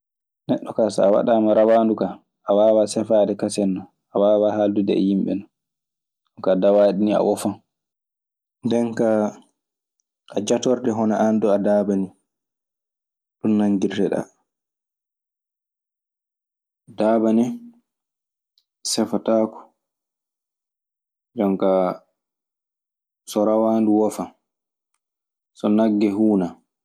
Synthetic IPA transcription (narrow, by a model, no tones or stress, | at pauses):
nɛɗːɔkasa̰ːwa̰ɗaːmaɾawaːnduka | ʔawaːwasɛfaːdɛkasɛnːɔ | awaːwahaldudɛ̰ɛ̰jimɓɛ̰nɔ | kadawaːɗinia̰wɔfan | ndɛnka | ʔad͡ʒatɔɾdɛɦɔnaʔandɔadaːbani | ɗunːaɲɡirdɛɗa̰ | daːbanɛ | sɛfataːkɔ̥ | d͡ʒɔŋka | sɔɾawanduwɔfa | sɔnaɡːɛɦuːna